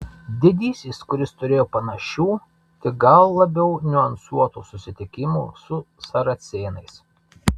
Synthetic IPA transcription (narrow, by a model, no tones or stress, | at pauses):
d̪ʲɪd̪ʲiːsʲiːskʊɾʲɪst̪ʊɾʲeːjoːpɐnɐʃʲuː | t̪ʲɪɡɐlˠːɐbʲɛʊnʲʊɐnsuɔt̪uːsʊsʲɪt̪ʲɪkʲɪmṵːsʊ | sɐɾɐt̪sʲeːnɐɪs